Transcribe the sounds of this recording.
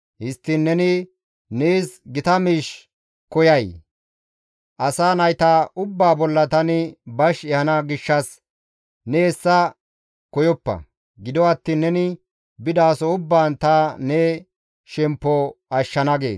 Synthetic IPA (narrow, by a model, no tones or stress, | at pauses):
hɪst̪ːinːɛnɪ | neːsɡɪt̪ɐmiːʃ | kɔjɐj | ʔɐsaːnɐjt̪aʔʊbːaːbɔlːɐt̪ɐnɪbɐʃɛhɐnɐɡɪʃːɐs | nɛːsːɐ | kɔjɔpːɐ̰ | ɡɪd̪ɔɐt̪ːiːnːɛnɪ | bɪd̪aːsɔʊbːaːnt̪ɐnɛ | ʃɛmpːɔɐʃːɐnɐɡe̞̰ːs